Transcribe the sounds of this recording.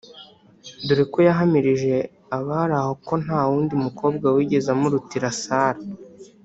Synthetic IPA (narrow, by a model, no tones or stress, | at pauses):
duɾiko̞jaɦamiɾiʒe̞ | aβaɾaho̞ko̞n̥haːwuːndiumukʰo̞ːb̚ɡawiɡe̞zamuɾutiɾasaːɾa